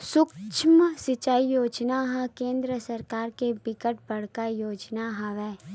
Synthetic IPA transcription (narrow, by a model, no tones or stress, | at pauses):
sʊkt͡ʃʰmsɪt͡ʃaːijoːd͡ʒnaɦãkẽːnd̪ɾəsɐɾkaːɾkebɪkəʈ̚bɐɽ̤kajoːd͡ʒnaɦaʋɛː